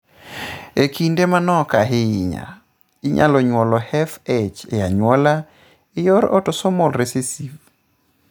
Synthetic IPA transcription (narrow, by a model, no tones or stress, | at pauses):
ekindemanɔkaɦɪɪɲa̰ | ɪɲa̰lɔɲwɔlɔhɛfet͡ʃejaɲwɔla | ɪjɔɾɔ̰tɔsɔmɔlɾesisiv